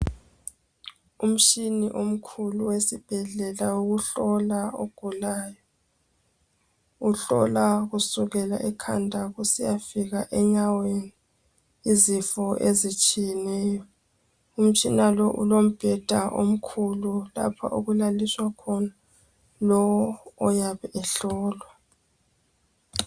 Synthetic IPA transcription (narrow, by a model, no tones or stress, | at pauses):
um̩t͡ʃiniʔom̩kʰuluwesib̥ʱɛɮɛlawuɣuɬɔlaoɡ̥ʱulaːjɔ | uɬɔ̰laɣusuɣɛla̰ʔɛkʰandʱaɣusijafiɣaʔɛɲaweni | izifɔʔezit͡ʃʼijɛnɛːjɔ | um̩t͡ʃʼinalɔʔṵlom̩b̥ʱɛd̥ʱaʔo̰m̩kʰulula̰pʰa̰ʔoɣulaliswakʰɔna | lɔwɔːjaβɛʔɛɬɔːlwa